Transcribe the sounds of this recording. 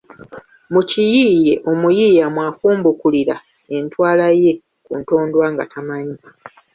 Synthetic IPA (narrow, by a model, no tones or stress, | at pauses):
mucijiːje̞ʔo̞mujijamwaːfuːmbukuliɾa̰ | e̞ntwaːlaje̞ | kunto̞ːndwaːŋɡa̰tamaɲi